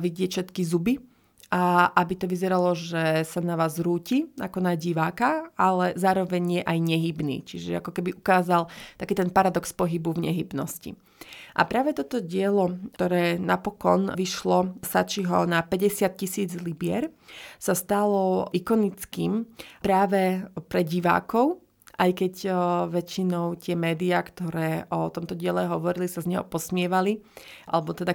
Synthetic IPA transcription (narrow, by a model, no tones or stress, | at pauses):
ʋiɟɪɛfʃɛt̪kizubi | ʔaʔabit̪ɔʋizɛɾalɔʒɛsanaʋaːzɾuːciakɔnaɟiʋaːkaalɛzaːɾɔʋɛɲjɛʔajɲɛɦibnḭːt͡ʃiʒɛa̰kɔkɛbiʔukaːzalt̪akiːt̪ɛnpaɾad̪ɔkspɔɦibuvɲɛ̰ɦibnɔ̰scḭ | ʔa̰pɾaːʋɛt̪ɔt̪ɔɟɪɛlɔt̪ɔɾɛːnapɔkɔnʋiʃlɔsat͡ʃiɦɔnapɛɟɛsɪat̪̚cisiːd͡zlibɪɛɾsast̪alɔʔikɔnit͡skiːmpɾaːʋɛpɾɛɟiʋa̰ːkɔʊ | ʔajkɛcʋɛt͡ʃinɔʊt̪ɪɛmɛːd̪iakt̪ɔɾɛːʔɔt̪ɔmt̪ɔɟɪɛlɛɦɔʋɔɾilisazɲɛɦɔ̰pɔsmɪɛʋaliʔa̰lɛbɔt̪ɛd̪a